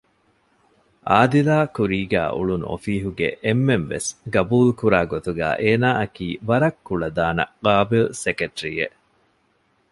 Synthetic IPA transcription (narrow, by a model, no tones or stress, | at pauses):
ʔaːd̪ilaːkuɾiːɡæ̰ːʔṵɭun̰o̰fiːɦuɡḛʔemːenʋḛsɡɐbuːlkuɾaːɡot̪uɡæ̰ːʔeːnaːɐkiːʋɐɾɐkːuɭɐd̪aːnɐ̰ɡaːbilsekeʈɾiḛ